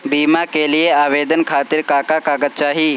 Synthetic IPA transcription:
biːmakelieaːʋeːd̪ənkʰaːt̪ɪɾkaːkakaːɡət̪̚t͡ʃaːɦiː

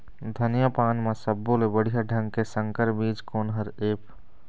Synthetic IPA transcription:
d̪ʱənjapaːnmesəbːõlebəɽ̤ijaɖʱə̃ŋɡ̚kesə̃ŋkəɾbiːd͡ʒkoːnɦəɾeːpʰ

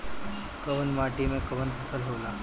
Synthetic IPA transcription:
kɐʋənmaːʈimẽkɐʋənpʰɐsəlɦoːlaː

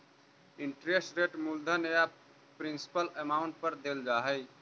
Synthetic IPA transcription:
ɪɳʈɾesʈɾeʈmuld̪ʱəneja | pɾinsi̥pəlemaːʊ̃ɳʈ̚pəɾd̪eld͡ʒaːɦəj

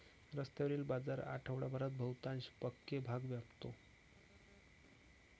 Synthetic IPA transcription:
ɾəst̪jeʋəɾiːlbad͡zaɾa̰ʈʰəʋɽabʱəɾat̪̚bʱəwt̪anɕpəkːebʱaɡʋjapt̪o

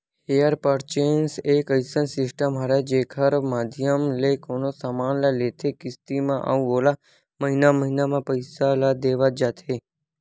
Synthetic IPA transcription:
hejəɾpəɾt͡ʃensekəjsənsɪsʈəmɦaɾad͡ʒekʰəɾmad̪ʱjəmlekonosamanlalet̪ʰekɪst̪imãʔa̰ʋola | məɦinaməɦinamãpəjsalad̪eʋad͡ʒat̪ʰe

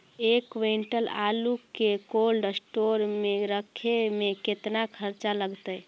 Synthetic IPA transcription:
ekʋeɳʈəla̰lukekolɖsʈoɾmeɾəkʰemẽket̪nakʰəɾt͡ʃaləɡt̪əj

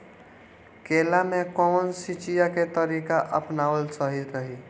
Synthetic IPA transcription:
kelamẽkɔːnsit͡ʃijaket̪əɾikaʔəpnaːʋəlsəɦiɾəɦi

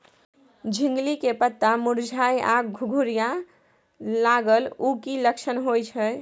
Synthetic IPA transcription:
d͡ʒʱiŋɡlikepət̪ːamuɾd͡ʒʱajaɡɡʱuɡʱuɾija | laɡəlukiləkʃʰənɦojt͡ʃʰə

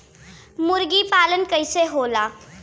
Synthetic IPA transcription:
mʊɾɡipaːlənkəɪseɦoːlaː

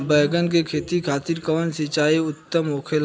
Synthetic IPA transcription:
bɛːɡənk̬ekʰeːt̪ikʰaːt̪iɾkəːnsɪt͡ʃaːiʊt̪ːəmoːkʰel

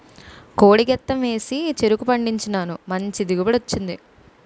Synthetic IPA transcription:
ko̞ːɽiɡɛt̪ːɐmʋe̞ːsit͡ʃe̞ɾukupɐɳɖiɲt͡ʃinaːnumɐɲt͡ʃid̪iɡubɐɽot͡ʃːind̪i

